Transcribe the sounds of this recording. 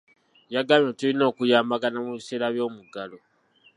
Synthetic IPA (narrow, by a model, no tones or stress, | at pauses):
jaɡamjotulino̞ːkujaːmbaɡanamuβise̞ːɾaβjo̞ːmuɡalo